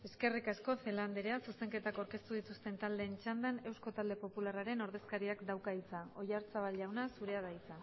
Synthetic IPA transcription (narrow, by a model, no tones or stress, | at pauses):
e̞ske̞rikasko̞fe̞land̪eɾeasuse̞ŋke̞t̪akawɾke̞st̪uð̞it̪ust̪e̞nt̪ald̪e̞ːnt͡ʃand̪ane̞wsko̞t̪ald̪e̞po̞pularaɾe̞no̞ɾð̞e̞skaɾiakd̪awkait͡sao̞jaɾt͡saβalʎawnasuɾe̞aðajt͡sa